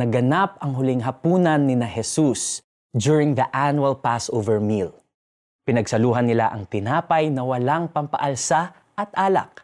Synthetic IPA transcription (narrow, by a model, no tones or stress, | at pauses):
nɐɡɐnap̚ɐŋɦʊlɪŋɦɐpuːnɐnːɪnɐhɛsus | d͡ʒuɹɪŋðɐʔanwɐlpasʔovɛɹmil | pɪnɐɡsɐluːɦɐnːɪla̰ʔɐŋt̪ɪnaːpɐjnɐwɐlaŋpɐmpɐ̰ʔɐlsa | ʔɐt̪ʔaːlɐ̰k̚